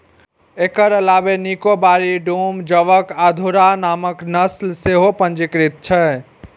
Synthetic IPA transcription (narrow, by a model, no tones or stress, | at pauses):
ekəɾəlabenikobaɾiɖumd͡ʒəʋəkad̪ʱuɾanaməknəslseɦopə̃nt͡ʃikɾit̪̚t͡ʃʰɛ